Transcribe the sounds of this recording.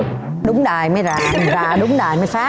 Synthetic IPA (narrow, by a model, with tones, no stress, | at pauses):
ɗʊ˨˦ŋ͡mɗaː˨˩jmaː˨˦jzaː˨˩zaː˨˩ɗʊ˨˦ŋ͡mɗaː˨˩jmaː˨˦jsaː˨˦˥